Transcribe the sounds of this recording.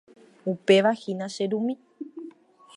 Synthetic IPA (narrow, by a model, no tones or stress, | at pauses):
upe̞ʋahinãʃeɾumĩ